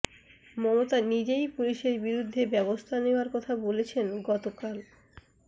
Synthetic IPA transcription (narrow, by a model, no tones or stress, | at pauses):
mɔmot̪anid͡ʑejpuliʃeɾbiɾud̪ʱːebɛβost̪ʰaneoaɾkɔt̪ʰabolet͡ɕʰenɡɔt̪okal